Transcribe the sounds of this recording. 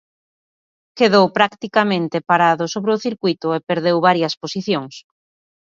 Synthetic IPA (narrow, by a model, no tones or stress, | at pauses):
keðowpɾakt̪ikamẽnt̪epaɾaðʊsoβɾeʊθiɾkujt̪ʊepeɾðewβaɾjɐsposiθjoŋs